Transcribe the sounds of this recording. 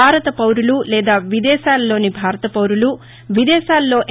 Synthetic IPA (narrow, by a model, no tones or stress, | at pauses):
aːɾɐt̪ɐpɐwɾululɛːd̪aːʋid̪ɛːʃaːlːo̞ːnibʱaːɾɐt̪ɐpɐwɾulu | ʋid̪ɛːʃaːlːo̞ːʔ